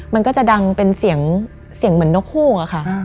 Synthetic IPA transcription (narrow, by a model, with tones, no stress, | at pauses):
ma˧nkɔː˥˩t͡ɕa˨˩da˧ŋpe˧nsi˨˩˦əŋ | si˨˩˦ŋmɯ˩˦ənːo˦˥k̚huː˥˩ʔa˨˩xʰa˥˩